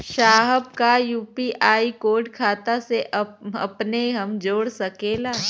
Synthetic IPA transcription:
ʃaːɦəb̚kajuːpiʔaːikoːɖkʰaːt̪aseʔəɐ̰pneɦɐmd͡ʒoːɽsɐkeːlaː

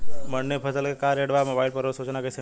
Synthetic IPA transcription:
məɳːepʰəsəlkekaɾeɽʋamobaɪlpəɾosuːt͡ʃnakəse

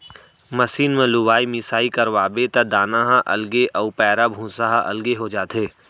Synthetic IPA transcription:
mɐsiːnmẽlʊʋaːimɪsaːikɐɾʋaːbet̪ɐd̪aːnaɦãʔɐ̰lɡeʔɐupɛːɾabʱũːsaɦaʔɐ̰lɡeɦod͡ʒaːt̪ɦeː

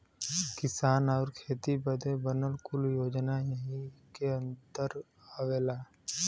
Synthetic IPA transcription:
kɪsaːnɔːɾkʰeːt̪ibəd̪ʱebənəlkʊljoːd͡ʒnajəɦikeə̃nt̪əɾ | aʋeːlaː

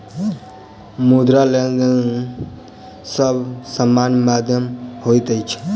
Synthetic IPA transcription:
mud̪ɾaledən | səbsəmːanmad̪ʱjəmhojt̪əjt͡ʃʰ

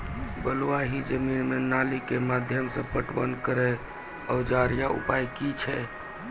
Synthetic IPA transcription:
bəluaɦid͡ʒəminmenalikemad̪ʱjəmsə̃pəʈʋə̰nkəɾɛ | əʊd͡ʒaɾjaṵpajkit͡ʃʰɛ

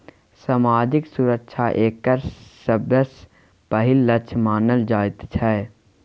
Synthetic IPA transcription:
saːmaːd͡ʒɪksʊɾəkʃʰaʔeːkəɾsəbjəs | pəɦɪlːət͡ʃʰmaːnəld͡ʒaːɪt̪t͡ʃʰɛː

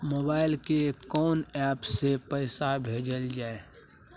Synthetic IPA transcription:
moːbaːɪlkekɔːnɛːpsepɛɪsabʱeːd͡ʒəld͡ʒaːe

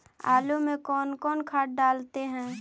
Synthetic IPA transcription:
aːlumẽkɔːnkɔːnkʰaːʈ̚ɖaːlt̪eɦɛ̃ː

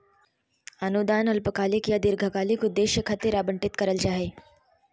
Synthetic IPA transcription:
ɐnud̪aːnɐlpəkaːlikijad̪ɪɾɡʱəkaːlikud̪eːʃjəkʰɐt̪eɾaːbə̃ɳʈɪt̪kɐɾəlt͡ʃaːɦeː

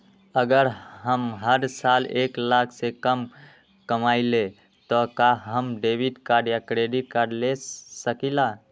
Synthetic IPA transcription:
əɡəɾɦəmɦəɾsaleklakʰsekəm | kəmaile | t̪ɔkaɦəmɖebiʈkaɾɖjakɾeɖiʈ̚kaɾɖlesəkila

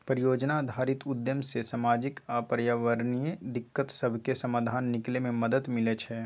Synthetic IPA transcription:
pɾijoːd͡ʒnad̪ʱaːɾɪt̪ʊd̪jəmsesamaːd͡ʒɪkapɾjaːʋəɾnijəd̪ɪkːət̪səbʱkesɐmaːd̪ʱaːnːɪklemẽməd̪əd̪mɪlet͡ʃʰɛː

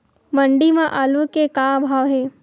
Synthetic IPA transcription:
mɐɳɖimãʔaːlukekãbʱaːʋɦeː

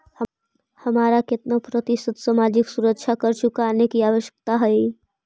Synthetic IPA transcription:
həmaːɾakɪt̪napɾət̪ɪsət̪samaːd͡ʒɪksuɾəkːt͡ʃʰakəɾt͡ʃʊkanekiaːʋəʃjə̥k̚t̪aɦɛi

